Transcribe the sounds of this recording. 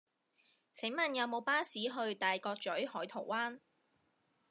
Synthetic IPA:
t͡sʰɪ˨˥ŋmɐ˨njɐ˨˧wmo˨˧wpaː˥siː˨˥ɦɵ˧ɥt̪aː˨˩jkɔː˧k̚t͡ʃɵ˨˥ɥhɔː˨˥jt̪ʰo̰˨˩waː˥n

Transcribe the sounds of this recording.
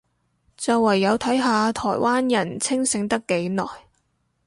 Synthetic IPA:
t͡sɐ˨wːɐ˨˩jːɐ˨˧wt̪ʰɐ˨˥jɦaː˨˧t̪ʰɔ̰ː˨˩jwaː˥njɐ˨˩nt͡sʰɪ˥ŋsɪ˨˧˥ŋt̪ɐ˥kːe˨˥jnɔ̰ː˨˩j

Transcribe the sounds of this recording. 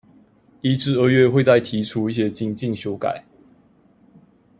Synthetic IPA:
i˥˧ʈ͡ʂɻ̩˥˧ə˥˧ɥɛ˥˨xwe˥˧ɪt͡sa˥˩ɪt̪ʰi˨˦ʈ͡ʂʰu˦i˥˩ɕ̬jɛ˧˦t͡ɕi˥˧ŋt͡ɕi˥˨ŋɕjo˧˥ʊka̰˨˩˦ɪ

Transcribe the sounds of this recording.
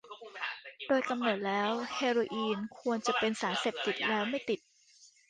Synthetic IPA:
doː˧jka˧mno˨˩t̪̚lɛː˦˥wheː˧ɾoː˧ʔiː˧nkʰu˧ənt͡ɕa˨˩pe˧nsaː˩˦nse˨˩p̚t̪i˨˩t̪̚lɛː˦˥wma˥˩jt̪i˨˩t̪̚

